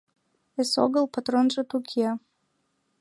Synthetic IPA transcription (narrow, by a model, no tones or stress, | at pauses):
eso̰ɣəlˠpat̪ronʒə̆t̪ukʰiɑ